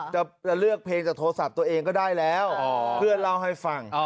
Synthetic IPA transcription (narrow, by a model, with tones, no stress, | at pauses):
t͡ɕa˨˩t͡ɕa˨˩lɯ˥˩ək̚pʰleː˧ŋt͡ɕaː˨˩k̚t̪ʰoː˧sa˨˩p̚t̪u˧əʔeː˧ŋkɔː˥˩daː˥˩jlɛː˦˥wpʰɯ˥˩ənla˥˩wɦa˥˩jfa˨˩ŋ